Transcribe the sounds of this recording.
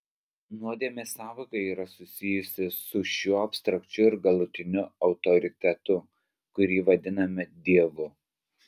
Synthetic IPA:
nuɔd̪ʲeɛmʲɪsɑːʋɐkɐɪiːɾɐsʊsʲɪjʊsʲɪsʊʃʲuːɐpʲst̪ɾɐkt͡ʃʲʊɪɾɡɐlˠʊt̪ʲɪnʲʊɒʊt̪ɔɾʲɪt̪ʲɛt̪ʊ | kʊɾʲiːʋɐd̪ʲɪnɐmʲɪd̪ʲiɛʋʊ

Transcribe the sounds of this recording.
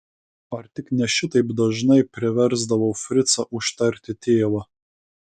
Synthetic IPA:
ɐɾt̪ʲɪknʲɛʃʲɪt̪ɐɪpd̪ɐʒnɐɪpʲɾʲɪʋʲɛɾzd̪ɐʋɐʊfʲɾʲɪt̪sɐʔʊʃt̪ɐɾʲt̪ʲɪt̪ʲeːʋɐ

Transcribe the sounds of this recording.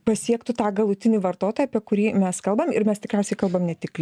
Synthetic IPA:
pɐsʲiɛkt̪ʊt̪ɑːɡɐlˠʊt̪ʲɪnʲiːʋɐɾt̪oːt̪oːjɐpʲiɛkʊɾʲiːmʲɛskɐlˠbɐmɪ̰ɾmʲɛst̪ʲɪkɾʲɛˑʊsʲɛɪkɐlˠbɐmnʲɛtʲɪklʲ

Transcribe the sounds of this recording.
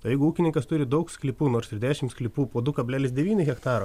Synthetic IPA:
t̪ɐjɛɪɡʊuːkʲɪnʲɪŋkɐst̪ʊɾʲɪd̪ɐʊksʲklʲipuːnoːɾsɪɾd̪ʲæːʃʲɪmsklʲiːpuːpoːd̪ʊkɐbʲlʲæːlʲɪsd̪ʲɛʋʲiːnʲɪɣʲɛkt̪ɑːɾɐ

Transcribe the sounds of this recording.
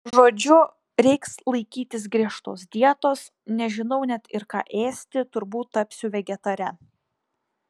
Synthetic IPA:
ʒoːd͡ʒʲʊ | ɾʲɛɪkslˠɐɪkʲiːt̪ʲɪs̬ɡɾʲiɛʃt̪oːsd̪ʲiɛt̪oːs | nʲɛʒʲɪnɐʊnʲɛt̪ɪɾkɑ̰ːʔeːsʲt̪ʲɪt̪ʊɾbuːt̪ːɐpʲsʲʊʋʲɛɡʲɛt̪ɐɾʲɛ

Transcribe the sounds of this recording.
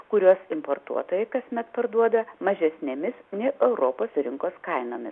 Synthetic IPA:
kʊɾʲuɔsɪmpoːrt̪ṵɔt̪oːjɛɪkɐsʲmʲɛt̪pɐɾd̪uɔd̪ɐmɐʒʲɛsʲnʲɛmʲɪsnʲɛɪʔɛʊɾoːpoːsɾʲɪŋkoːskɐɪnoːmʲɪ̰s

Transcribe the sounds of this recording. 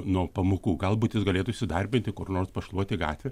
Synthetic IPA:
nuɔpɐmukuːɡɐlˠbuːt̪jɪsɡɐlʲeːt̪ʊɪʃʲsʲɪd̪ɐrʲbʲɪnʲt̪ʲɪkʊrnoːrspɐʃlˠuɔt̪ʲɪɡɑ̰ːt̪ʲʋʲɛ

